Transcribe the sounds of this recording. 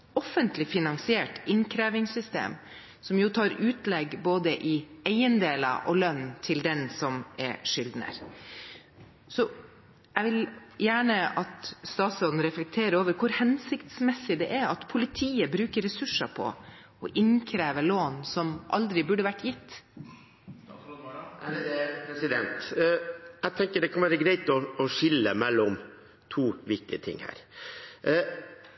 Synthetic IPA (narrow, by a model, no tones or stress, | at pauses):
ɔfənt̪lɪfɪnɑŋsɪeːʈɪnkʰɾæːʋɪŋsʏst̪ḛːm | sɔmjʊt̪ʰɑːɾʉːt̪lɛɡboːd̪əʔɪæɪənd̪eːlɑ̰ʔɔlœnt̪ʰɪld̪ɛnsɔmɛ̰ʂʏld̪nə̰ɾ | sɔ | æʋɪljæːɳəɑt̪st̪ɑːt̪sɔd̪n̩ɾɛflɛk̚t̪ʰeːɾəɾoːʋəɾkʰʊɾhɛnsɪkt̪smɛsːɪd̪ɛʔɛɾɑt̪pʰʊlɪt̪ʰiːəbɾʉːkəɾːɛsʉʂɑpʰɔ̰ | ɔʔɪnkʰɾeːʋəɭoːnsɔmʔɑ̰ld̪ɾɪbʉɖəʋæʈːjɪt̪ː | pʰɾɛsɪd̪ɛ̰nt̪ | ɛt̪ʰɛŋkəɖɛkʰɑnʋæːɾəɡɾæɪt̪ɔɔʂɪlːə̰mɛlːɔm | t̪ʰuːʋɪk̚t̪ɪə̰t̪ʰɪ̰ŋhæ̰ːɾ